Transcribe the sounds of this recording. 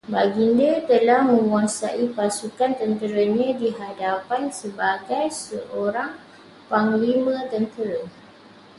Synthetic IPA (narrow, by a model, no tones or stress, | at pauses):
baɡindat̪əlahmə̃mwasaʔipasukant̪ənt̪əɾəɲãdiɦadapansəbaɡajsəʔoɾaŋ | paŋlimə̃t̪ənt̪əɾə